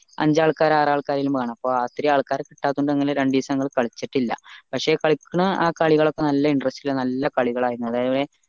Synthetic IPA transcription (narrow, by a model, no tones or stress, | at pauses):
ɐ̰ɲd͡ʑaːɭkaːɾaːraːɭkaːɾilumʋaːɳɐmɐpːo̞ːaːt̪ɾijaːɭkaːɾki̥ʈːaːt̪ːuɳɖɨeŋːɐlɾeɳɖiːsɐŋːɐɭkɐɭit͡ɕːiʈːilːɐ̰pɐkʂe̞ːkɐɭikʲːuɳɐaːkɐɭiɣɐɭo̞kːe̞nɐlːɐiɳɖrɐstilnɐlːɐkɐɭiɣɐɭaːjiɾunuɐðaːjɐʋðe